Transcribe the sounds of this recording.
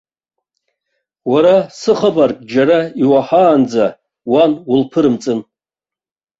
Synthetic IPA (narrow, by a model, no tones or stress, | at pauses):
waɾasɨχabarkʼd͡ʒaɾaiwaħaːnd͡za | wanʊlpʰɨɾɨmt͡sʼɨn